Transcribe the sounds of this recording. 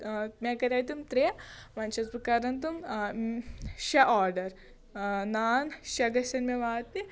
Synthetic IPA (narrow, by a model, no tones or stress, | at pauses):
mekɐɾʲɐjt̪umt̪ɾijɐʋɐnt͡ʃɐt̪pɾɐkaːɾɐnt̪̬um | ʃɐʔaːɾɖɐɾ | naːnʃɐɡɐʃɐnmeʋaːt̪ni